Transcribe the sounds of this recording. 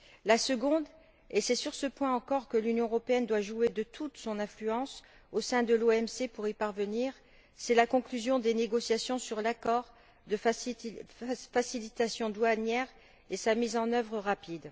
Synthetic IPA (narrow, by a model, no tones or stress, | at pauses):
lasəɡɔ̃d̪ | esɛsyʁsəpwɛ̃ɑ̃kɔʁkəlynjɔ̃əʁɔpeɛnd̪waʒued̪ət̪ʰut̪sɔ̃nɛ̃flyɑ̃s | osɛ̃d̪əloɛmsepuʁipaʁvəniʁ | sɛlakɔ̃klyzjɔ̃d̪eneɡɔsjasjɔ̃syʁlakɔʁ | d̪ə | fasilit̪asjɔ̃d̪wanjɛʁ | esamizɑ̃nœvʁəʁapid̪